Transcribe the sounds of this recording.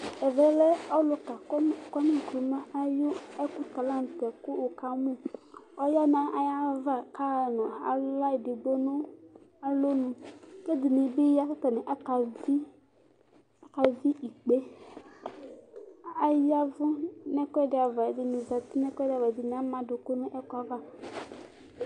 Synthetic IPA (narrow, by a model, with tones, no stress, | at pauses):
ɛ˨vɛ˨lɛ˦ɔ˦lʊ˨˦ka˨kkɔ˦nĩ˦˨kɾu˨ma˦a˦jʊ˦ɛ˦ku˦t̪a˨la˦n˨t̪ɛ˨kʊ˦ʊ˨ka˨mũ˦ɔ˦ja˦nã˨ʔa˨ja˦va˦˨ka˦˨nɔ̃˨a̰˨˦la˦i˨dɪ˨ɡ͡bo˦nʊ̃˦a˨lo˦nũ˨ke˦dɪ˨nɪ˨bɪ˦ja˦ka˦ta˨nɛ˨ʔa˦ka˨vi˦ | a˦ka˨vi˦ʔi˨k͡pe˦ | a˨ja˦vʊ˦nɛ˦kʷɛ˦˨dɪ˨a˨va˨dɪ˨nɪ˨za˨tɪ˦nɛ˦kɛ˦dɪ˨a˨va˨dɪ˨n˨a˨˦mã˨dʊ˨kʊ˦nʊ̃˦ʔɛ˦ka˨va˦